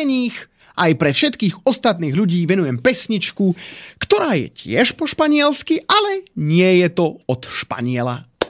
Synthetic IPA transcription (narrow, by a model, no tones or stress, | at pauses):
ɛɲiːx | ʔajpɾɛfʃɛt̪kiːɣɔst̪at̪niːɣʎuɟiːʋɛnujɛmpɛsɲit͡ʃkukt̪ɔɾaːjɛ̰cɪɛʃpɔʃpaɲɪɛlskiʔalɛɲɪɛjɛt̪ɔɔt̪ʃpa̰ɲɪɛla̰